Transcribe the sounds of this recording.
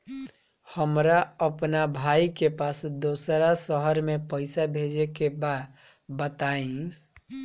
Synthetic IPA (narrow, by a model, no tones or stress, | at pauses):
həmɾaəpnabʱaikepasd̪osɾasəɦəɾmepəɪsabʱed͡ʒekebad̪ | bət̪aĩ